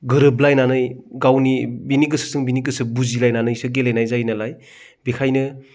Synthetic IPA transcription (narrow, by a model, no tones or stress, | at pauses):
ɡɯɾɯblajnanɯjɡawnibiniɡɯsɯ̥sɯŋbiniɡɯsɯbuzilajnanɯjsɯɡelajnajzajnalaj | bekʰajnɯ